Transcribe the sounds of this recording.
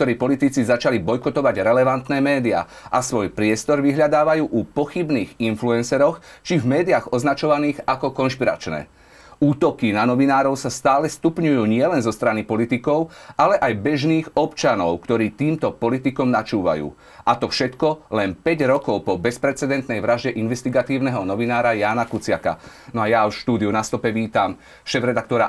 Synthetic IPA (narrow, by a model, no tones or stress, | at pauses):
kt̪ɔɾiːpɔlit̪it͡sizat͡ʃalibɔjkɔt̪ɔʋaɟɾɛlɛʋant̪nɛːmɛːd̪ia̰ | ʔasʋɔjpɾɪɛst̪ɔɾʋiɦʎad̪aːʋajuːʔupɔxibniːɣinfluɛnsɛɾɔxt͡ʃivmɛːd̪iaɣɔznat͡ʃɔʋaniːɣakɔkɔnʃpiɾa̰t͡ʃnɛ̰ː | uːt̪ɔkinanɔʋinaːɾɔʊsast̪aːlɛst̪upɲujuːɲɪɛlɛnzɔst̪ɾanipɔlit̪ikɔʊʔalɛʔajbɛʒniːɣɔpt͡ʃanɔʊkt̪ɔɾiːt̪iːmt̪ɔpɔlit̪ikɔmnat͡ʃuːʋa̰jṵː | ʔat̪ɔfʃɛt̪kɔlɛnpɛɟɾɔkɔʊpɔbɛspɾɛt͡sɛd̪ɛnt̪nɛjʋɾaʒɟɛʔinʋɛst̪iɡat̪iːʊnɛɦɔnɔʋinaːɾajaːnakut͡sɪaka̰ | nɔajaʃt̪uːd̪iunast̪ɔpɛʋiːt̪am | ʃɛːvɾɛd̪akt̪ɔɾa